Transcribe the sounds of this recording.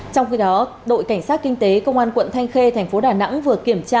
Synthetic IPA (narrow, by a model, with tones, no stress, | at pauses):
t͡ɕɔ˧wŋ͡mxi˧ɗɔ˨˦ | ɗo̰˧˨jka˧˩jŋ̟saː˦˥t̚kï˧ŋ̟t̪e˨˦kə˧wŋ͡mʔaː˧nkwə̰˧˨nt̪ʰa˧jŋ̟xe˧t̪ʰɛ˨˩jŋ̟fo˨˦ɗaː˨˩na̰˧˥ŋvɨ˨˩əki˧˩əmt͡ɕaː˧